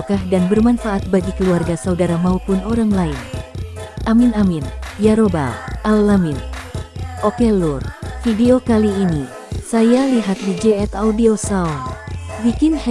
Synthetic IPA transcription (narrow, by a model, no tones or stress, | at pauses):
kahdanbərmanfaʔat̪̚baɡikəluarɡasaudaɾamaupʊnoɾaŋlain | ʔaminaminjaɾoba̰lalːamin | ʔokɛlurfideokaliːni | sajaliɦat̪̚did͡ʒɛɛt̪audiosaɔnbikɪnh